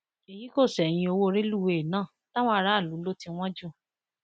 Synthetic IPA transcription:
e˨ji˨˦ko˦˨sɛ˨j̃ĩ˧o˧wo˦˧ɾe˦lu˦we˧e˨nãː˦˨ | ta˦w̃ɔ̃˦a˧ɾa˦˨lu˨˦lo˦tĩ˧w̃ɔ̃˦d͡ʒu˦

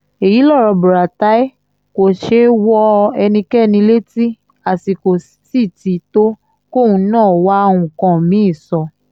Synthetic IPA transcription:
e˨ji˨˦lɔ˦˨ɾɔ˧bu˨ɾa˨ta˨˦i˦ | ko˨ʃe˦wɔ˧ɛ˧nĩ˧kɛ˦˨nĩ˧le˦ti˦ | a˨ti˨ko˨ssi˦˨ti˨˦to˦ | ko˦˨wũ˧˦nãː˦˨wa˦˧w̃ũ˧˨kã˧mĩ˦i˦˨sɔ˧

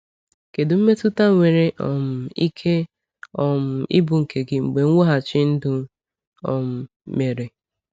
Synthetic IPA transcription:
ke˨dʊ˨m̩˦me˦tʊ˦ta˦ŋʷe˨ɾe˦ʔɔ̰˨mʊ˨i˦kʰe˦ | ɔ˨m̩˨ḭ˦bʊ˨ŋ̩˨kʰe˨ɡɪ˦ŋ͡m̩˨ɡ͡be˨ŋ̩˦ŋʷo˦ɦa˨t͡ʃɪ˦n̩˦dʊ˦ | ɔ˨m̩˨ | me˨ɾe˨

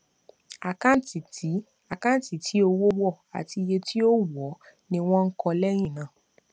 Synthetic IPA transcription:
a˨kã˦ti˨ti˨˦ | a˨kã˦˨ti˨tʰi˨˦o˧wo˦wɔ˦˨a̰˨ti˧je˧tʰi˦o˦wɔ˨˦nĩ˧w̃ɔ̃˦ŋ̩˦kɔ̃˧lɛ˦j̃ĩ˦˨nãː˨

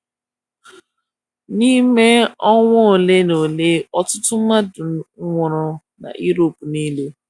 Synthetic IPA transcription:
ni˦me˦ɔ˦ŋʷɔ˦o˨le˦no˨le˦ɔ˦tʊ˦tʊ˦ma˦dʊ˨˦ŋʷɔ˨ɾɔ˦ | na̰˨ʔi˦ɾo˨pu˨ni˦le˦

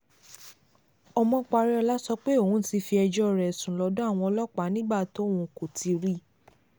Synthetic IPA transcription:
ɔ˧mɔ̃˧k͡pa˧ɾɛ˦ɔ˧la˦sɔ˧k͡pe˦o˦˨hũ˦ti˧fi˧ɛ˧d͡ʒɔ˦˨ɾɛ˨sũ˨lɔ˧˦dɔ˦a˦˨w̃ɔ̃˧ɔ˧lɔ˦k͡pa˨˦nĩ˦ɡ͡ba˦˨to˨˦˨wũ˧˨ko˨ti˧ɾi˦

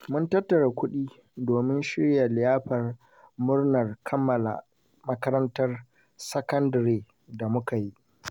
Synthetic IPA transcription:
mʊ˦ntɐ˦tːɐ˨ɽa˨kʷʊ˦ɗiː˦ | doː˨mɪ˦nʃɪ˦ɽja˨lɪ˨jaː˦ɸɐ˨r | mʊ˦rnɐ˨rkʰɐ˦mːɐ˨la̰˨ | mɐ˦kɐ˦ɾɐ˦ntɐ˦r | sɐ˦kɐ˦ndɾeː˨ | da˨mʊ˦ka˨ji˦ʔ

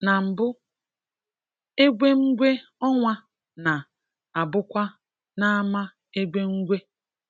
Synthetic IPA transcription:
na˨m̩˨bʊ˦ | e˦ɡʷe˦ŋ̩˦ɡʷe˦ɔ˦ŋʷa˦ | na˨ | a˨bʊ˦kʷa˦ | na˦a˦ma˦ | e˦ɡʷe˦ŋ̩˦ɡʷe˦

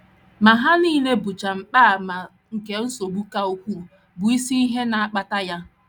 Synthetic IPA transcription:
ma˨ɦa˦niː˦le˦bʊ˨t͡ʃa˨m̩˨k͡paː˦˨ma˨ | ŋ̩˨ke˨n̩˦so˨bu˦ka˦u˦kʷu˦˨ | bʊ˨i˦si˦i˦ɦe˦na˨a˦k͡pa˦ta˦ja˦

